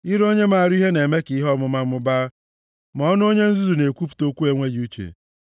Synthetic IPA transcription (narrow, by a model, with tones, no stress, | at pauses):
i˦ɾo˦ɲe˦ma˨a˨ɾi˦ɦe˦ne˨me˦ki˨˦ɦɔ˦mʊ˨ma˦mʊ˦ba˦ | mɔ˦nʊ˦o˦ɲe˦n̩˦zu˦zu˨ne˨kʷu˦pu̥˨to˦kʷu˦e˦ŋʷe˦ju˦t͡ʃḛ˨